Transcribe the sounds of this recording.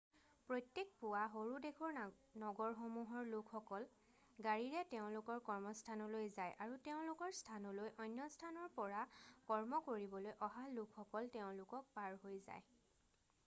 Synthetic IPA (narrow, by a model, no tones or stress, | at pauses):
pɹojtjek̚pʊwaɦoɹudekʰɔɹ | nɔɡɔɹxomuɦɔɹlʊkʰxɔkɔl | ɡaɹiɹɛteʊ̃lʊkɔɹkɔɹmɔstʰanɔlojzajʔaɹuteʊ̃lʊkɔɹstʰanɔlojʔɔjnjɔstʰanɔɹpɔɹakɔɹmɔkoɹibɔlojʔɔɦalʊkʰxɔkɔlteʊ̃lʊkɔk̚paɹɦojza̰j